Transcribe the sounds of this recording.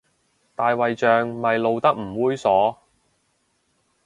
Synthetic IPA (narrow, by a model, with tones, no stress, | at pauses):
t̪aː˨jwɐ˨jt͡ʃœː˨ŋmɐ˨jlo˨wt̪ɐ˥k̚m̩˨˩wuː˥jsɔː˨˥